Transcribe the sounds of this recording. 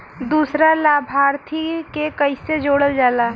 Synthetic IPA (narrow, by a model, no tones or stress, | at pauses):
d̪uːsɾalaːbʱaːɾt̪ʰikekəɪsed͡ʒoːɽəld͡ʒaːlaː